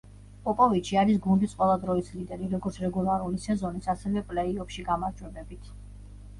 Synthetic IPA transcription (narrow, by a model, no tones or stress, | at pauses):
pʼɔpʼɔvit͡ʃʰiaɾisɡund̪isqʼwɛlˠad̪ɾɔislid̪ɛɾiɾɔɡɔɾt̪sʰɾɛɡulˠaɾulisɛzɔnisasɛvɛpʼlɛiɔpʃiɡamaɾd͡ʒwɛbɛbit̪ʰ